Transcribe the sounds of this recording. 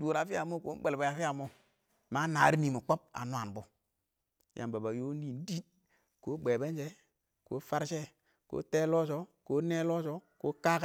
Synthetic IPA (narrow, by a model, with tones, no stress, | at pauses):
du˨ɾa˨fi˦a˨mo˦˨ko˨˦be˨lba˨ja˨fi˦ja˨mo˦ | ma˦na˨˦ɾi˦ni˨mu˨k͡po˦p̚a̰˨nwa˨n˨bo˦ | jʔa̰˨mba˨ba˨jo˦n˦i˦˨n˦di˦t | ko˦ɡ͡be˨be˦nd͡ʒe˦ | ko̰˨˦fa˦ɾʃe˦ | ko̰ː˦te˦lo˦ʃo˦ko˦ne˦lo˦so˦ko˦ka˦k